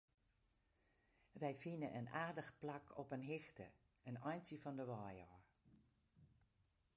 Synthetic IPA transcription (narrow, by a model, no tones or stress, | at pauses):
ʋɛjfinəʔənaːrdəxplakʰɔpənɦɪxtə̰ | ənɔjnsəfɔndəʋɔːjɔr